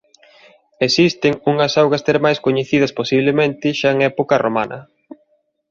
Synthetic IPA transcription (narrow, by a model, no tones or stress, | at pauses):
esist̪ɪŋuŋɐsawɣɐst̪eɾmajskoɲeθiðɐsposiβlemẽnt̪ɪʃaeŋɛpokɐroma̰nʔɐ̰